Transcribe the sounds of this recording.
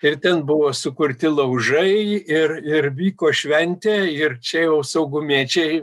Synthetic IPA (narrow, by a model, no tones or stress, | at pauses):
ɪrt̪ʲɛnbʊʋoːsʊkʊrʲt̪ʲɪlˠɐʊʒɐɪɪrɪrʋʲiːkoːʃʲʋʲɛnʲt̪ʲeːɪrt͡ʃʲɛjɛʊsɐʊɡʊmʲiːt͡ʃʲɛɪ